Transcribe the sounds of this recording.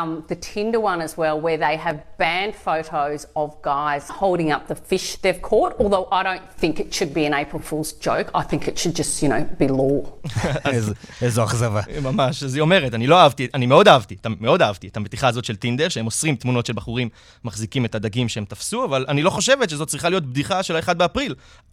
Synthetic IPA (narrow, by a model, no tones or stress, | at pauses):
mðɨtʰɪ̃ndə˞wʌ̃nɨzwɛlˠwə˞ðeɪɨvbæ̃nd̥foʊɾoʊzəvɡaɪz̥hoʊlˠɾɪ̃ŋʌp̚ðəfɪʃd̥ɛv̥kʰɔɹɾɔlˠðoʊʔaɪɾõʊ̃nθɪ̃ŋkɨtʃɨd̚biɨ̃neɪpʰəfulˠzd͡ʒoʊkʰaɪθɪ̃ŋkɨtʃɨd̚d͡ʒʌstjɨñoʊb̥ilɔ | azezoaχzavamamaʃazio̞me̞ʁetanilo̞aavtianimeo̞daavt̪ietameo̞daavt̪ietametiχaːzo̞tʃe̞ltindeʁʃeemosʁimt̪muno̞tʃelbaχuʁimː | aχzikime̞tadaɡimʃeemtafsuavalanilo̞χo̞ʃe̞vetʃezot̚t͡sʁiχalijo̞t̪bdiχaʃeloe̞χad̪̚beapʁil